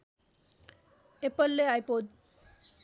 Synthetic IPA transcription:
epəlːeajpod̪

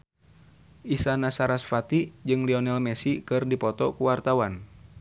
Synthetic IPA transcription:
ʔisanasaɾasfat̪id͡ʒɨŋliɔnɛlmɛsikɨrdipɔt̪ɔkuwart̪awan

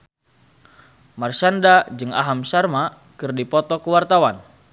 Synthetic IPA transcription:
marsandad͡ʒɨŋa̰ɦamsarma | kɨrdipɔt̪ɔkuwart̪awan

